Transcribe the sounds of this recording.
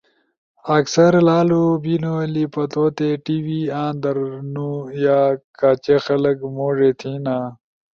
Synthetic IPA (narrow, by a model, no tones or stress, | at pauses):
ɐksɐɾlaːlubinolipɐt̪oːt̪eʈiwiãːnd̪ɐɾnujaːkaːt͡ɕexɐlɐkmoːʐet̪ʰinaː